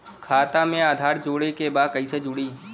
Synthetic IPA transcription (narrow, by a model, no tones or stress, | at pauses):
kʰaːt̪amẽaːd̪ʱaːɾd͡ʒoːɽekebaːd̪̚kɐised͡ʒʊɽiː